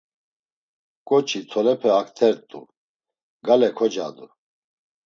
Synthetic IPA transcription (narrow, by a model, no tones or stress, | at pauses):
kʼɔt͡ʃʰit̪ʰɔlɛpʰɛakʰt̪ʰɛɾt̪ʼṵ | ɡalɛkʰɔd͡ʒa̰d̪u